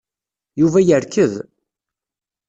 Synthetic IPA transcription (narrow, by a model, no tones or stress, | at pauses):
juvæjəɾkːəð